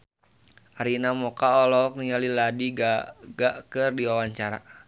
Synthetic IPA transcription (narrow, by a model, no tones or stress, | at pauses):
aɾinamɔkaɔlɔk̚nialiladiɡaɡaʔkɨrdiwawaɲt͡ʃaɾa̰